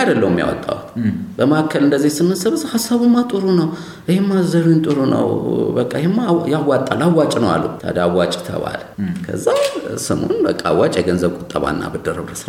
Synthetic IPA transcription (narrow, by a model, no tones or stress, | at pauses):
ajd̪əlːəwmːja̰wɔ̰t̪ʼːa̰wt̪bəmakʰːəlɨnd̪əzːihsɨmɨnsəβɨzhasːaβɨmːat̪ʼɨɾunəw | ʔɨhemːazəɾujnt̪ʼɨɾunə̰wbəkʼːahemːajawat̪ʼːalːawːat͡ʃʼnəwa̰lːua̰d̪əawːat͡ʃʼt̪ʰə̰βa̰lkʰə̰zːasɨmo̰nbəkʼːaawːat͡ʃʼjɛɡənzəβkʷʼʊt̪ʼːəβa̰nːa̰bɨd̪əɾəβɾəs